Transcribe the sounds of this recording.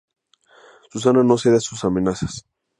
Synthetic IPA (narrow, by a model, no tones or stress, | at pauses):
sus̬anano̞s̬eðasusamẽnasḁs